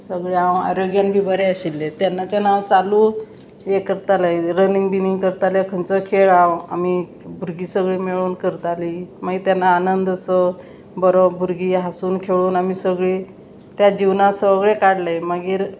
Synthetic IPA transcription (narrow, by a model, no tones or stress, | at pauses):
səɡɭeãwa̰ɾoɡjanbʱiːbəɾeəɕilːet̪janːat͡ɕanawt͡saluː | jekəɾt̪alajɾəniŋɡbiniŋɡkəɾt̪aljekʰənt͡səkʰeɭawamiː | bʱuɾɡiːsəɡɭiːmiɭuːnkəɾt̪aliːməɡit̪janːaːnənd̪əsə | bəɾobʱuɾɡiːɦasuːnkʰeɭuːnamiːsəɡɭiː | t̪jad͡ʑiʋnasəɡɭekaɽlajməɡiːɾ